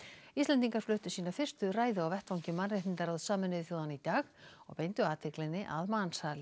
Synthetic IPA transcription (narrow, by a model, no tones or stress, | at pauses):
ist̪lɛnt̪iŋkaɾ̥flʏːht̪ʏsiːnafɪrst̪ʏraːjðʏawvɛht̪vawɲcɪmanraht̪int̪aɾawðsaːmɪnɪɪθjoːwðanit̪aːxɔ̰ɣpejnt̪ʏaːt̪ʰɪklɪnːɪʔa̰ðmanshaːlɪ